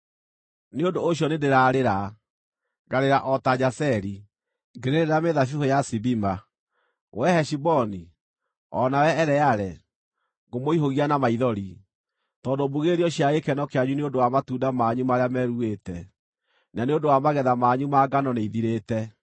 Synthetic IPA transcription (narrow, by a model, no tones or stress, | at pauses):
neondoːɕjɔnendeɾaːɾeɾa | ɡaɾeɾaʔɔtad͡ʑasɛɾi | ŋɡeɾeɾeɾameðafuhojasibima | wʔɛhɛʃibɔni | ɔ̰nawɛɛɾɛaɾɛ | ɣomoiɦoɣianamaiðɔɾi | tɔndobuɣeɾiɔɕjaɣekɛnɔkeaɲuneodowamatuːdamaɲumaɾeamɛɾueːtɛ | naneondowamaɣɛðamaɲumaɡanɔneiðiɾetɛ